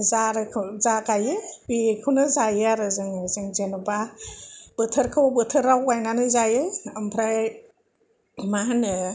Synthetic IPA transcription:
zaɾʰzakajɯbikʰɯwnɯzajɯaɾɯzɯŋzɯŋzenuba | b̥ɯtʰɯɾkʰɯwbɯtʰɯɾawajnanɯzajɯampʰɾaj | manɯ

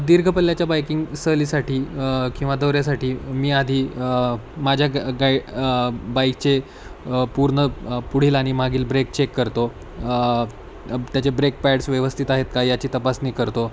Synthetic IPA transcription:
d̪iɾɡʱəpəlːjat͡ɕjabajkiŋɡsəlisaʈiːkĩw̃ʋad̪əʋɾjasaʈiːmiːad̪ʱiː | mad͡ʑʱjaɡa | bajk̚t͡ɕe | puɾɳəpuɽ̤iːlaɽ̃imaɡiːlbɾek̚t͡ɕekːəɾt̪o | t̪jat͡ɕebɾek̚pɛɽsʋjeʋəst̪ʰit̪aɦet̪kajjat͡ɕiːt̪əpasniːkəɾt̪o

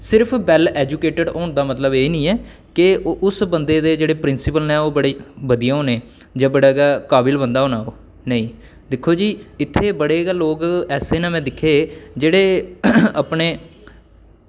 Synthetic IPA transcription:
sɪɾpʰbɛːlɛːd͡ʒuːkeːʈəɖɔːɳd̪aːmət̪ləbeːnĩːɛː | kɪʊsbənd̪eːd̪eːd͡ʒeːɽeːpɾɪnsɪpəlnɛ̃ːoːbəɽeːʋəd̪ijaːɦoːneː | d͡ʒãːbəɽaːɡaːkaːbɪlbənd̪aːɦoːnaːo̰ː | nəĩː | d̪ɪkʰːoːd͡ʒiːɪt̪ʰːeːbəɽeːɡaloːkɛːseːnãːmɛ̃ːd̪ɪkʰːeːd͡ʒeːɽeːəpɳeː

